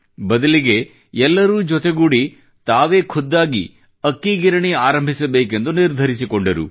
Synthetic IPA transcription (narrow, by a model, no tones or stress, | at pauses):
bɐd̪ɐliɡe̞ | ɛlːɐɾuːd͡ʒɔt̪e̞ɡuːɽi | t̪aːʋe̞ːkʰɔd̪ːaːɡḭ | ɐkːiɡiɾɐɳiaːɾɐmbʱisɐbe̞ːke̞nd̪uniɾd̪ʱɐɾisikoɳɖɐɾṵ